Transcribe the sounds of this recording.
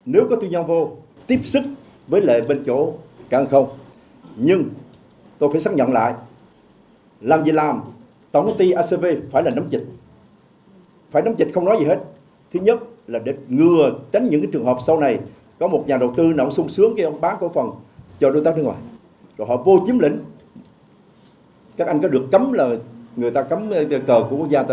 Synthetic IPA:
ne˨˦wkɔ˨˦t̪wi˧ɲɔ˧vo˧ | t̪i˦˥əp̚sɨ˦˥k̚ | vəː˨˦jlḛ˧˨ɓe˧nt͡ɕo̰˧˩kaː˧˩ʔə˨˩xə˧wŋ͡m | ɲɨ˧ŋ | t̪o˧jfaː˧˩jsa˦˥k̚ɲə̰˧˨nla̰ː˧˨j | laː˨˩mzḭ˧˨laː˨˩m | t̪ɔ˧˩wt̪ʰə˨˦ŋ͡mt̪i˧ʔaː˧se˧ve˧faː˧˩jlaː˨˩na˨˦mt͡ɕï˨˩t̚ | faː˧˩jna˨˦mt͡ɕï˨˩t̚xə˧wŋ͡mnɔ˨˦jzi˨˩he˦˥t̚ | t̪ʰɨ˨˦ɲə˦˥t̚laː˨˩ɗe˧˩ŋɨ˧˩ət͡ɕe˨˦nɲɨ̰˧˥ŋkaː˨˦t͡ɕɨ˨˩əŋɦəː˨˩p̚sə˧wna˨˩j | kɔ˨˦mo˨˩t̚ɲaː˨˩ɗə˨˩wt̪ɨ˧nə̰˧˩wŋ͡msʊ˧ŋ͡msɨ˨˦˥əŋka˧ʔə˧wŋ͡mɓaː˨˦nkṵ˧˩əfə˨˩nt͡ɕɔ˧ɗo˨˦jt̪aː˦˥ɗə˨˦ŋwa̰ː˨˩j | zo˨˩jɦɔ̰˧˨vo˧t͡ɕi˨˦əmlḭ˧˥ŋ̟ | ka˦˥k̚a˧jŋkɔ˨˦ɗɨ˨˩əkːə˨˦mlaː˨˩ŋɨ˨˩əjt̪aː˧kə˨˦m˧kəː˨˩ku˧˩əku˦˥k̚zaː˧t̪a˧˨

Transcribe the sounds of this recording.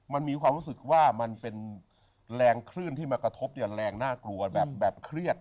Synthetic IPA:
ma˧nmiː˧kʰwaː˧mɾuː˦˥sɯ˨˩k̚waː˥˩ma˧npe˧n | ɾɛː˧ŋkʰɾɯː˥˩nt̪ʰiː˥˩maː˧kɾa˧t̪ʰo˦˥p̚ni˥˩ɐɾɛː˧ŋnaː˥˩klu˧ɐbɛː˨˩p̚bɛː˨˩p̚kʰɾi˥˩ət̪̚

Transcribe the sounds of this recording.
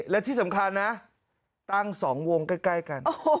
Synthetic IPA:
lɛː˦˥wt̪ʰi˥˩sa˩˦mkʰa˧nːa˦˥ | t̪a˥˩ŋsɔː˩˦ŋwo˧ŋka˥˩jkla˥˩jka˧no

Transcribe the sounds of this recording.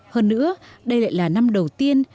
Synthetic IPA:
həː˧nːɨ̰˧˥əɗə˧jla̰ː˧˨jlaː˨˩na˧mɗə˨˩wt̪i˧ən

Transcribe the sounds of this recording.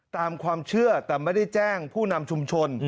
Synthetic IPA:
t̪aː˧mkʰwaː˧mt͡ɕʰɯ˥˩ɐt̪ɛː˨˩ma˥˩da˥˩jt͡ɕɛː˥˩ŋpʰuː˥˩na˧mt͡ɕʰu˧mt͡ɕʰo˧n

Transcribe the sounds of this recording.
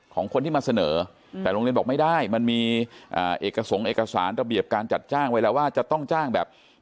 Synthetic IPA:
kʰɔː˩˦ŋkʰo˧nt̪iː˥˩maː˧sa˧nɤː˩˦ | t̪ɛː˨˩ɾo˧li˧nbɔ˨˩ma˥˩da˥˩jma˧nmiː˧ʔaː˨˩ʔeː˨˩kːa˧so˩˦ŋʔeː˨˩ka˧saː˩˦nɾa˧bi˨˩əp̚kaː˧nt͡ɕa˨˩t̪̚t͡ɕaː˥˩ŋwa˦˥lɛː˦˥waː˥˩t͡ɕa˨˩t̪ɔ˥˩ŋt͡ɕaː˥˩ŋbɛː˨˩p̚

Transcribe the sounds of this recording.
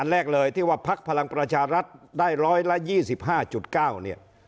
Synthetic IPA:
ʔa˧nlɛː˥˩k̚lɤː˧jt̪ʰiː˥˩waː˥˩pʰa˦˥k̚pʰa˧la˧ŋpɾa˧t͡ɕʰaː˧ɾa˦˥t̪̚daː˥˩jɾɔː˦˥jla˦˥jiː˥˩si˨˩p̚ɦaː˥˩t͡ɕu˨˩t̪̚kaː˥˩wni˥˩ɐ

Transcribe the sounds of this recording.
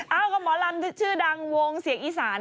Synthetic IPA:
ʔa˧˩wka˧˩mbɔː˨˦la˧m˦˥t͡ɕʰɯː˥˩da˧ŋwo˧ŋsi˨˩˦əŋʔiː˧˩saː˨˩˦n

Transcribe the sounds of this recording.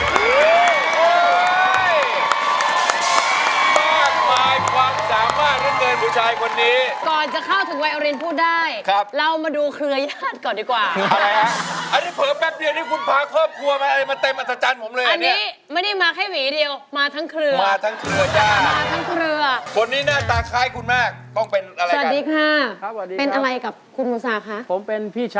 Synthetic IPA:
ɯː˦˥j | j | maː˥˩k̚maː˧jkʰwaː˧msaː˩˦mːaː˥˩k̚ɾɯ˦˥˩kɤː˧nbʰuː˨˦t͡ɕʰaː˧jkʰo˧nːiː˦˥kɔː˨˩nt͡ɕa˨˩kʰa˥˩wt̪ʰɯ˨˩˦ŋwa˧jʔa˧ɾi˧npʰuː˥˩t̪̚daː˥˩jkʰa˦˥p̚lɛ˦˥wmaː˧duː˧kʰɾɯ˧ɐjaː˥˩t̪̚kɔː˨˩ndiː˨˩kwaː˨˩a˧a˦ʔa˧nːiː˦˥pʰɤː˨˦mmɛː˦˥p̚di˧˨˧niː˦˥˩kʰu˧npʰaː˧˦kʰɤː˥˩p̚kʰɾu˧ɐma˧nʔa˧ɾa˧jma˧t̪e˧mʔa˨˧t̪ɾa˧t͡ɕaː˧npʰo˩˦mlɤː˧a˧nːiː˦˥ | ma˥˩jda˥˩jmaː˧kʰa˥˩jwiː˩˦di˧əwmaː˧t̪ʰa˦˥ŋkʰɾɯ˧ɐmaː˧t̪ʰa˦˥ŋkʰɾɯ˧ɐjaː˥˩t̪maː˧t̪ʰa˦˥ŋkʰɾɯ˧ɐkʰo˧nːiː˦˥naː˥˩t̪aː˧kʰaː˦˥jkʰu˧nmaː˥˩k̚t̪ɔ˥˩ŋpe˧nʔa˧ɾa˧a˧˩a˩t̪̚diː˧kʰaː˥˩˧pe˧nʔa˧ɾa˧jka˨˩p̚kʰu˧nmuː˨˩˦saː˧kʰa˦˥ʔpʰo˩˦mpe˧npʰiː˥˩t͡ɕʰ

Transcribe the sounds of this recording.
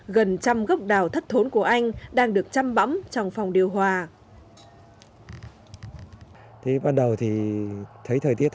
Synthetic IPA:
ɣə˨˩nt͡ɕa˧mɣa˦˥wk͡p̚ɗaː˧˩wt̪ʰə˦˥t̚t̪ʰo˨˦nku˧˩əʔa˧jŋ̟ɗaː˧ŋɗɨ˨˩ək̚t͡ɕa˧mɓa̰˧˥mt͡ɕɔ˧wŋ͡mfɔ˨˩wŋ͡mɗi˨˩əwɦwaː˧˩ | t̪ʰi˨˦ɓaː˧nɗə˨˩wt̪ʰi˨˩t̪ʰə˨˦jt̪ʰəː˨˩jt̪i˦˥ə

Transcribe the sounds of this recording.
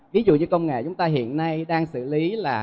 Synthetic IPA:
vi˨˦zṵ˧˨ɲɨ˧kə˧wŋ͡mŋḛ˧˨t͡ɕʊ˨˦ŋ͡mt̪aː˧ɦḭ˧˨ənːa˧jɗaː˧ŋsɨ̰˧˩li˨˦laː˨˩

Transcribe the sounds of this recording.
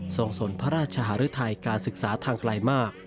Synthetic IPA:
so˧ŋso˩˦npʰa˦˥ɾaː˥˩t̪̚t͡ɕʰa˧ɦaː˩˦˥ɾɯ˦˥t̪ʰa˧jkaː˧nsɯ˨˩k̚saː˩˦t̪ʰaː˧ŋkla˧jmaː˥˩k̚

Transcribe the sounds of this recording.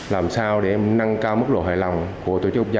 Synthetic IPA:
laː˨˩msaː˧wɗe˧˩na˧ŋkaː˧wmɨ˦˥k̚ɗo̰˧˩ɦa̰ː˧˨jlɔ˨˩wŋ͡mku˧˩ət̪o˧˩t͡ɕk̚ːza˧

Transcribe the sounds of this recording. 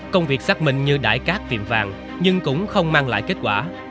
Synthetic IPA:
kə˧wŋ͡mvi˨˩ək̚sa˦˥k̚mï˨˩ŋ̟ɲɨ˧ɗa̰ː˧˩jkaː˦˥k̚t̪i˨˩əmvaː˨˩ŋ | ɲɨ˧ŋkʊ̰˧˥ŋ͡mxə˧wŋ͡mmaː˧ŋla̰ː˧˨jke˦˥t̚kwaː˧˩

